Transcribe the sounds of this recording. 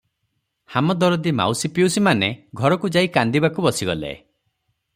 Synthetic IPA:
hamɔd̪ɔɾɔd̪ima̰wsipiusimaneɡʱɔɾɔkud͡ʒaikand̪ibakubɔsiɡɔlḛ

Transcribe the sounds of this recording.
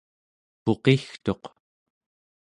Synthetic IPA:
po̞qext̪o̞q

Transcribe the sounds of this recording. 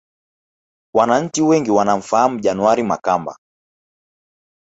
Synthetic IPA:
wanaɲ̩t͡ʃiwɛŋɡiwanam̩fahamuʄanuwaɾima̰kamba̰

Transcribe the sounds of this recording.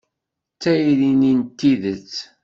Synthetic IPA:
t͡sːæjlinint̪ːiðət͡sː

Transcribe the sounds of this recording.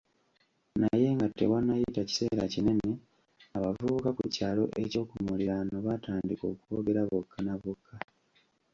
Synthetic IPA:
naje̞ŋɡatːe̞̰wanːajitaci̥se̞ːɾacine̞ne̞ | aβavukakucaːlo̞̰ʔe̞co̞ːkumuliɾano̞βataːndiko̞ːkuo̞ɡe̞ɾaβokʰːanaβokʰːa

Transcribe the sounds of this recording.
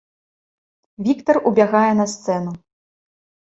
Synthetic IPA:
vʲikt̪ɐrubʲaɣajɛnɐst̪sɛnu

